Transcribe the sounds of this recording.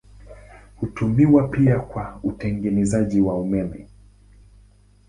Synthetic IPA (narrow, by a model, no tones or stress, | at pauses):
hutumiwapiakwautɛŋɡɛnɛzaʄiwaumɛmɛ̰